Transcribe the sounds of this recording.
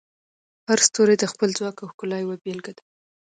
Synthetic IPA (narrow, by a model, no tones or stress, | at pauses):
haɾst̪oɾed̪əxpəlzwɑkawhkʊlɑjwabelɡad̪ḁ